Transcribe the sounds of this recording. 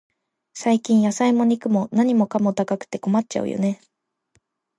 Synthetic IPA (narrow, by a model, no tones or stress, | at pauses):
saikʲĩɰ̃jasaimo̞ɲ̟ikɯ̟mo̞naɲ̟imo̞kamo̞t̪akakɯ̟̥t̪e̞ko̞matt͡ɕa̰ɯ̰jʔo̰ne̞